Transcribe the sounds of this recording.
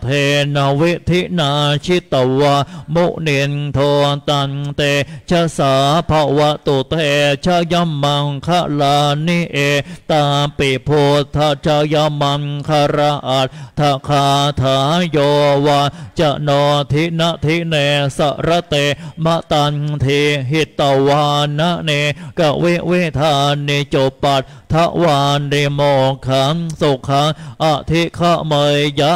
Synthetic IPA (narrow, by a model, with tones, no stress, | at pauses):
t̪ʰe˧na˧wi˦ʔt̪ʰi˦˥ʔna˧t͡ʃʰi˦t̪a˨wa˧mu˦˥ʔni˧nt̪ʰoː˧t̪a˧nt̪e˧t͡ʃʰa˧saː˨pʰa˧wa˧ʔt̪o˨t̪e˧t͡ʃʰa˧ja˧ma˧ŋkʰa˧ʔla˧ni˧ʔe˧t̪aː˧pi˨pʰo˧t̪ʰːa˧t͡ɕʰa˧ja˧ma˧nkʰa˧ɾa˧ʔa˨˧t̪̚t̪ʰːa˧kʰa˧t̪ʰa˧˩˥jɔː˧waː˧nt͡ɕa˧ʔnɔː˧t̪ʰi˦˥ʔna˦˧˥ʔt̪ʰi˦˥ne˧sa̰˧˩ʔɾa˧t̪e˧ma˧ʔt̪a˧nt̪ʰi˧ɦi˧˩t̪ːa˧˩waː˧nːa˦˥ʔni˧ka˧˩ʔwi˦˥ʔwi˦˥t̪ʰa˧ni˧t͡ɕo˧pa˧t̪̚ | t̪ʰːa˧˥ʔwaː˧nːi˧moː˧˩kʰa˧˥nso˧˩kʰa˧˦˥ŋʔa˧˩ʔt̪ʰi˦˥kʰa˧ʔmə˧jja˧˦˥